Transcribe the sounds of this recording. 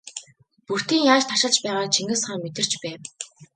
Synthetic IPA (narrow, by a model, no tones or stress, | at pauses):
pur̥t̪iːŋjaːʃt̪ʰaʃə̆ɮt͡ɕpæːʁaːt͡ɕʰiŋɡɘ̆sχaːŋmet̪ɘ̆r̥t͡ɕpæːw